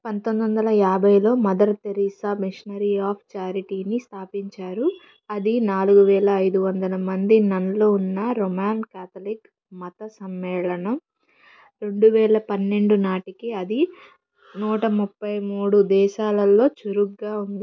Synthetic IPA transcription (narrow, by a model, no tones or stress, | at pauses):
pɐnt̪ond̪ʋɐnd̪ɐlɐjaːbɐjlo̞ːmɐd̪ɐɾɐt̪eɾiːsaːmiʂɐnɐɾiaːpʰt͡ʃaːɾiʈiːnist̪ʰaːpiɲt͡ʃaːɾu | ɐd̪inaːluɡuʋɛːɭɐːjd̪uʋɐnd̪ɐlɐmɐnd̪inɐnlo̞ːunːɐɾomaːnkaːt̪ʰɐlik | mɐt̪ɐsɐmːɛːɭɐnɐm | ɾe̞ɳɖuʋɛːɭɐpɐnːe̞ɳɖunaːʈikiɐd̪i | nuːʈɐmupːɐjmuːɽud̪ɛːʃaːlɐlːo̞ːt͡ʃuɾuɡːaːund̪i